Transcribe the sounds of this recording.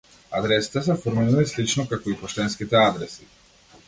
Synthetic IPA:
ad̪ɾɛsi̥t̪ɛsɛfɔɾminulislit͡ʃnɔkakɔipɔʃt̪ɛnskit̪ɛad̪ɾɛsi

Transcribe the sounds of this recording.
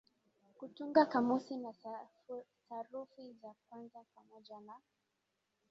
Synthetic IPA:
kutuŋɡakamusina | saɾufizak̚wanzapamɔʄana

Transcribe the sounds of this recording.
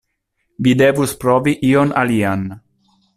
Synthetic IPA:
vid̪evuspɾoviʔiona̰lian

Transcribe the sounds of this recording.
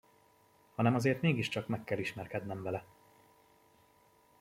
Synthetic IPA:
hɒnɛmɒzeːrt̪meːɡiʃt͡ʃɒkmɛkːɛliʃmɛrkɛd̪nɛmvɛlɛ

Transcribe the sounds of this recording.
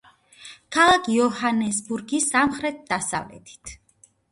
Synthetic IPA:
kʰalˠakʰiɔhanɛsbuɾɡisamχɾɛt̪̚ʰd̪asa̰vlɛ̰t̪ʰi̥t̪ʰ

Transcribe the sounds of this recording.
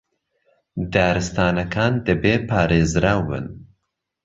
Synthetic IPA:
d̪aːɾɨst̪aːnɐkʰaːnd̪ɨbeːpʰaːɾeːzɾaːwɨ̰n

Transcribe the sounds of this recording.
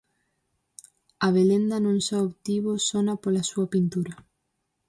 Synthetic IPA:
aβ̞elend̪anõŋsaoβt̪iβosonapolasuɐpint̪uɾa

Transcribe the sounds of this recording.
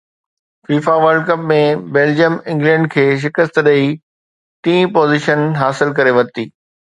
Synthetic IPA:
fiːfaʋəɾɖ̚kɐpmẽbeːld͡ʑijəmɪ̃ŋɡlɛ̃ːɳɖ̚kʰeːʃ̬ɪkəst̪ɗɐi | t̪ĩːpoːzɪʃənɦaːsɪlkɐɾeʋɐɾt̪iː

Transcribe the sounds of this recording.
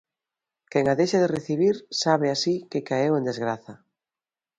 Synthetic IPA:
kɛŋaðejʃaðereθiβ̞iɾsaβ̞easikekaewend̪ezɣɾaθɐ

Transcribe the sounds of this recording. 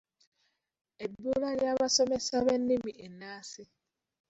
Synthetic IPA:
ebuɾaɾaβasɔmesaβen̩ːimiʔenaːsɪ

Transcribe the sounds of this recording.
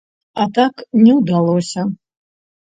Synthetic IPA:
at̪aknʲɛwd̪alˠɔsʲɐ

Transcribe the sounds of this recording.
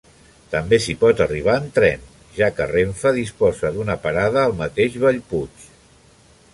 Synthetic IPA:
t̪əmbesipɔt̪əriβ̞aːnt̪ɾɛn | ʒakəreɱfəðispɔzəðunəpəɾaðəːlˠmət̪eʒβəʎput͡ʃ

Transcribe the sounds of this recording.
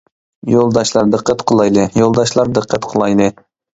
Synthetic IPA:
jolˠd̪ɑʃlˠɑɾd̪əqːət̪qʰəlˠɑjlˠɨjolˠd̪ɑʃlˠɑɾd̪əqːət̪qʰəlˠɑjlˠɨ

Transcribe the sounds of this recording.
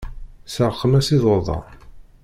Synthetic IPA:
səɾˤqːəmæsiðˤoðˤɑ̰

